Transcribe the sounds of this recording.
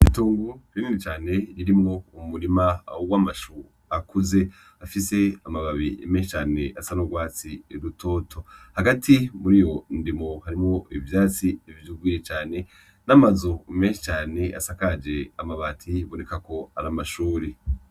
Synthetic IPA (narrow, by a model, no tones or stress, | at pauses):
ituːŋɡuɾininit͡ʃaːne̞ɾiɾimŋo̞umuɾimawamaʃu | akuze̞ | afise̞amaβaβime̞ːnʃit͡ʃaːne̞ʔasanoɡwaːt͡siɾutʰo̞ːtʰo̞haɡatʰimuɾijo̞ndimohaɾimŋo̞ivjaːt͡sivjuɡwiːɾet͡ʃaːne̞ | namazume̞ːnʃi̥t͡ʃaːne̞a̰sakad͡ʒe̞amaβaːtʰiβo̞ne̞kako̞aɾamaʃuːɾi